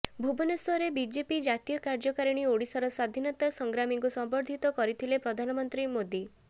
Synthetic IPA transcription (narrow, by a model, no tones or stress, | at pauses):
bʱubɔneswɔɾebid͡ʒepid͡ʒat̪ijɔkaɾd͡ʒɔkaɾiɽ̃ioɽisaɾɔsad̪ʱinɔt̪asɔŋɡɾamiŋkusɔmbɔɾd̪ʱit̪ɔkɔɾit̪ʰilepɾɔd̪ʱanɔmɔnt̪ɾimod̪i